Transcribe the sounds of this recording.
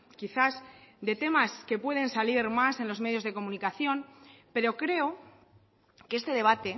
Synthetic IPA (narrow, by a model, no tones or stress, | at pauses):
kiθasd̪e̞t̪e̞maske̞pwe̞ð̞e̞nsaliɾmase̞nlo̞zme̞ðjo̞zðeko̞mũnikaθjo̞npe̞ɾo̞kɾe̞o | keest̪e̞ð̞e̞β̞at̪e̞